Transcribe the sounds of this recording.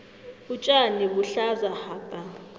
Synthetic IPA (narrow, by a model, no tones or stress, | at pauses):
ut͡ʃʼaniβuɬazahaːpʼa